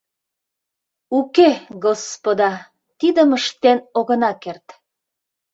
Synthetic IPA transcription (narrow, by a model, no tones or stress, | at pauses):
ukeɡospod̪ɑ | t̪id̪əməʃt̪enoɣənɑkert̪